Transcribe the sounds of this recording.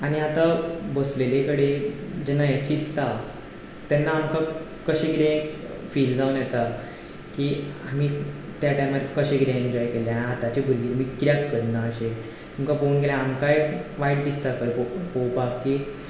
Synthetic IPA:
aɽ̃iat̪abəslelekəɽed͡ʑɛnːajat͡ɕitt̪ːa | t̪ɛnːaːmka | kəɕẽɡɾẽ | fiːld͡zaunjɛt̪a | kiam̤it̪jaʈajmad̪kəɕẽɡɾẽeɲd͡ʑɔjkeleaɽ̃iɦat̪at͡ɕebʱəɾʋiːɾmiːkɾjakkəɾnaːɕe | t̪umkapouːnɡelãamkajʋaiʈ̚ɖist̪akəɾpopowpakkːiː

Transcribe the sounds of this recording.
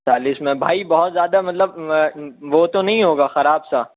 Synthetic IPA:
t͡ʃaːlɪsmẽbʱaːibɐɦɔt̪zjaːd̪amɐt̪ləb̚ | ʋot̪onɐɦĩɦoːɡaːxɐɾaːbsa

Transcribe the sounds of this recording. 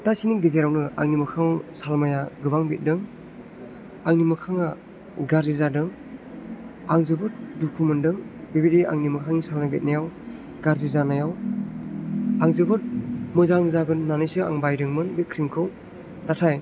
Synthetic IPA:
tasiniɡizeɾawnɯa̰ŋnimɯkʰaŋsalmajaɡɯbaŋbit̚dɯŋ | aŋnimɯkʰaŋa | ɡaɾzizadɯŋ | aŋzɯbɯɾdukʰumɯndɯŋbibidiʔa̰ŋnimɯkʰaŋisalnabit̚najaw | ɡaɾzizanajaw | aŋzɯbɯɾ̚mɯzaŋzaɡɯnanɯjsɯa̰ŋbajdɯŋmɯnbikʰɾimkʰɯw | natʰaj

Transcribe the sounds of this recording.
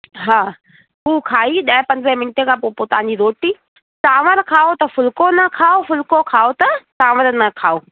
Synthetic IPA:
ɦaː | ɦuːkʰaːiɗɐ̃pɐ̃ɲzəmɪnɪʈekʰãpopoːt̪ɐɦãɲd͡ʑiɾoːʈiː | saːʋəɾkʰaːot̪ɐfʊlkonɐkʰaːofʊlkokʰaːot̪ɐsaːʋəɾnɐkʰaːoː

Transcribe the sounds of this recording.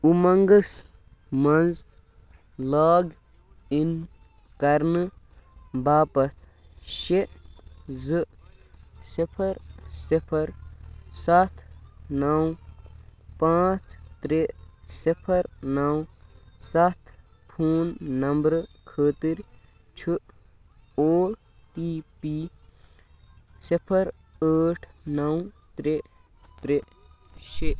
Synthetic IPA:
umɐŋɡəs | mɐnd͡z | laːɡ | in | kɐɾnɨ | baːpɐt̪ | ʃe | zɨ | sipʰɐɾsipʰɐɾsat̪ʰnɐw | pãːt͡st̪ɾesipʰɐɾnɐwsɐt̪ʰ | pʰuːnːɐmbɾkʰəːt̪iɾ | t͡ʃʰu | oːɽ | ʈiːpi | sipʰəɾ | əːʈʰnɐwt̪ɾe | t̪ɾe | ʃe

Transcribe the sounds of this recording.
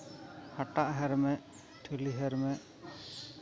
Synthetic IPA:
haʈaʔɦɛɾmɛ | ʈʰuliɦɛɾmɛ

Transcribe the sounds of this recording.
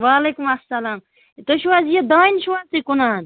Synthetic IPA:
ʋaːleːkumɐsːɐlaːm | t̪oʃuwazjed̪aːinʃuwaːzt̪ikunaːn

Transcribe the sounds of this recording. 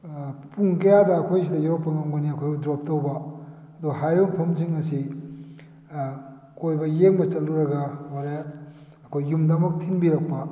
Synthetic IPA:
puŋkɐjadɐːkʰojs̬idɐjaɾopːɐmɐmɡɐniɐkʰojɡudɾop̚towbɐ | ɐduɡɐɦajɾoŋpʰomsiŋːɐsi | kojbɐjeŋbɐt͡ʃɐlːuɾɐɡɐwaɾe | ɐkʰojːumdɐmɐk̚tʰinbiɾɐk̚pɐ

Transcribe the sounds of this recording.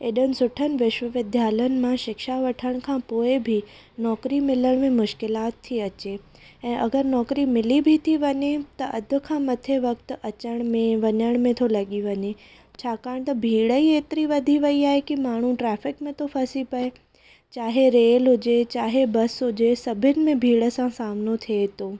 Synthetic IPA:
eːɗənɪ̆sʊʈʰənɪ̆ʋɪʃwəʋɪd̪ʱjaːlənɪ̆mãʃɪkʃaʋɐʈʰəɽ̃kʰãpoːɪbʱɪ | nɔːkɾimɪləɽ̃mẽmʊʃkɪlaːt̪ʰːiɐt͡ɕe | ɛ̃ːʔɐɡəɾnɔːkɾimɪlibʱit̪ʰiʋɐɲet̪ɐʔɐd̪ʱʊ̆kʰãːmɐt̪ʰeʋɐk̚t̪ʊ̆ʔɐt͡ɕəɽ̃mẽʋɐɲəɽ̃mẽt̪ʰolɐɠiʋɐɲe | t͡ɕʰaːkaːɽ̃t̪ɐbʱiːɽəieːt̪ɪɾiʋɐd̪ʱiʋɐiaːɦekimaːɳ̤uʈɾɛːfɪkmẽt̪ʰofʰɐsipɐe | t͡ɕaːɦeɾeːlɦʊd͡ʑet͡ɕaːɦebɐsɦʊd͡ʑesɐbʱɪnɪ̆mẽbʱiːɽəsãsaːmnot̪ʰiet̪oː

